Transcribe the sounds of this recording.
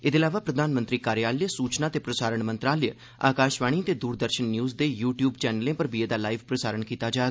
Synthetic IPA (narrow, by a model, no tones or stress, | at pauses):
ɪd̪eːlaːʋaːpɾəd̪ʱaːnmənt̪ɾiːkaːɾjaːləsuːt͡ʃnaːt̪eːpɾəsaːɾəɳmənt̪ɾaːljə | a̰ːkaːʃʋaːɽ̃iːt̪eːd̪uːɾd̪əɾʃənːjuːzd̪eːjuːʈjuːbt͡ʃɛːnəlẽːpəɾbieːd̪aːlaːiʋpɾəsaːɾəɳkiːt̪aːd͡ʒaː